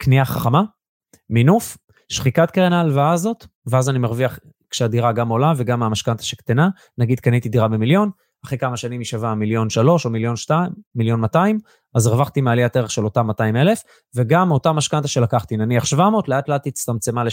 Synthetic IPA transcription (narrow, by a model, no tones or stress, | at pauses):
kniaχaχama | minuf | ʃχikat̪keʁenalvaazo̞t̪veazanimaʁviaχ | kʃead̪iʁaɡamo̞lave̞ɡamamaʃkant̪ḁʃekt̪ena | naɡid̪̚kanit̪idiʁabemiljo̞n | aχekamaʃanimiʃavamiljo̞nʃalo̞ʃo̞miljo̞nʃtaːiljo̞nmataim | azʁvaχt̪imealiateʁeχʃe̞lo̞tamataime̞le̞f | ve̞ɡamo̞tamaʃkant̪aʃe̞lakaχt̪inaniaχʃvamo̞ːtleat̪leat̪it͡st̪amt͡se̞male